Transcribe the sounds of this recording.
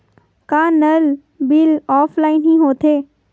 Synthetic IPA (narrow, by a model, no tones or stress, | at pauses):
kãːnəl | bɪlɔːfʰlaːɪnɦĩɦoːt̪ʰeː